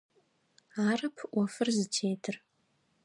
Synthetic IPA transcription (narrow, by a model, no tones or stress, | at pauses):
aːɾɨpʰwɐfɨrzɨtʰejtʰɨr